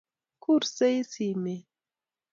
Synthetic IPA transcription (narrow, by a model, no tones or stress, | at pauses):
kʊɾsejsime